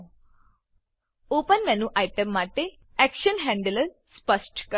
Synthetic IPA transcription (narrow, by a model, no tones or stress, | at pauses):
opənmɛnuːʔajʈəmːaʈe | ɛkʃənɦɛ̃ɳɖələɾ | spəsʈkə